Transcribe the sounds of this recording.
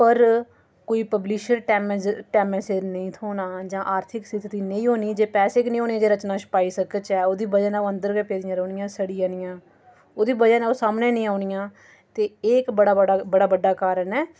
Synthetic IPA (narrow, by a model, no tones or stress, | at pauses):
pəɾ | koːiːpəbliːʃəɾʈɛmʈɛːmɛsenəĩːt̪ʰoːnaːd͡ʒãːʔaːɾt̪ʰɪksɪt̪t̪iːnəĩːɦoːniːd͡ʒeːpɛːseːknĩːɦoːneãːd͡ʒeːɾət͡ʃnaːt͡ʃʰə̥paːiːsəkət͡ʃɛːoːd̪iːbəd͡ʒənɛːoənd̪əɾɡɛːpeːd̪ɪjãːɾəːnɪjãːsəɽijãːnɪjãː | oːd̪iːbəd͡ʒənːoːsaːmnẽːnĩːaːuɳɪjãː | t̪eːeːkbəɽaːbəɽaːbəɖaːkaːɾənɛː